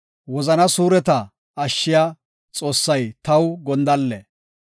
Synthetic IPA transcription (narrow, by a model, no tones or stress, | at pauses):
wɔzɐnɐsuːɾɛt̪ɐ | ɐʃːɪja | t͡sʼo̞ːsːɐjt̪ɐwɡɔnd̪ɐlːɛ